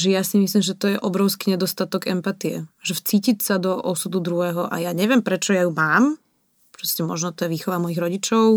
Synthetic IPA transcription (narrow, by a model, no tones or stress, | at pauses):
ʒɛjasimislimʒɛt̪ɔjɛʔɔbɾɔʊskiɲɛd̪ɔst̪at̪ɔɡɛmpat̪iɛ̰ʒɛft͡siːcicsad̪ɔʔɔsud̪ud̪ɾuɦɛːɦɔʔa̰jaɲɛʋɪɛmpɾɛt͡ʃɔjajumaːm | pɾɔscɛmɔʒnɔt̪ɔjɛʋiːxɔʋamɔjiɣɾɔɟit͡ʃɔʊ